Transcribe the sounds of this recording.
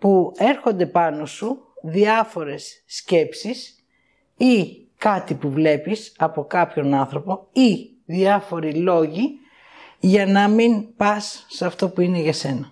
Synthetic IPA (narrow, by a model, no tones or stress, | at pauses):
pue̞ɾxo̞nd̪e̞pɐno̞suðiɐfo̞ɾe̞sːce̞psis | i | kɐt̪ipuvle̞pisɐpo̞kɐpço̞nɐnθɾo̞po̞i | ðiɐfo̞ɾilo̞ʝi | ʝɐnɐminpɐsːɐft̪o̞puine̞ʝɐse̞nɐ